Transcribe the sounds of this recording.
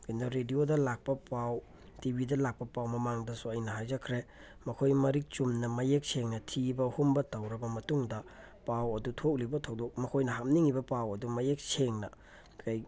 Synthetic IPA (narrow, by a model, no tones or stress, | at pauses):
kindoɾediodɐlak̚pɐpaw | tibʱidɐlak̚pɐpawmɐmaŋdɐsuɐjnɐɦajd͡ʒɐkʰɾe | mɐkʰojmɐɾik̚t͡ʃumnɐmɐjek̚seŋnɐtʰibɐhumbɐtɐwɾɐbɐmɐtuŋdɐ | pawɐdutʰok̚libɐtʰɐwdok̚mɐkʰojnɐɦam̚niŋibɐpawɐdumɐjek̚seŋnɐ | kaj